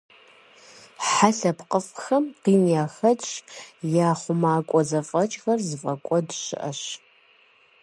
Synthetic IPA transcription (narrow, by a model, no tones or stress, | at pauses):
ħaɬɐpqəfxɐmqiːniaːxɐt͡ʃʼjaːχʷʊmaːkʷʼɔzɐfʼɐt͡ʃʼxɐrzɨfʼɐkʷʼɔdʃɪ̰ʔɐɕ